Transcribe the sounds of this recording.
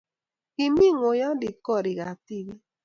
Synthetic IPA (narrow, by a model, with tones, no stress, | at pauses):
i˨mi˦˨ŋo˨ja˦dɪ˨kɔ˦˨ɾɪ˨ɣa˨ti˦˨ɾi˦